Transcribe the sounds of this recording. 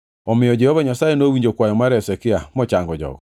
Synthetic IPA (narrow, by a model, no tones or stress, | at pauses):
ɔmɪjɔd͡ʒɛhɔβaɲasajenowiɲd͡ʒokwajɔmaɾɛsɛkɪamɔt͡ʃaŋɡɔd͡ʒɔ̰k